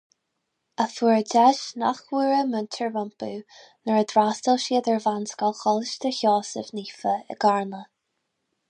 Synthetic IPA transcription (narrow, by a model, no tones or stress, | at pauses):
əfuːɹd͡ʒɛʃnaxwiːɹəməntʰəɹvəmpu | nəɹəd̪ɾastəlʃiːəd̪əɹvanskɔlxɔlɪʃt̪ʰəçɔːsəvniːfəə̰ɡaɹnə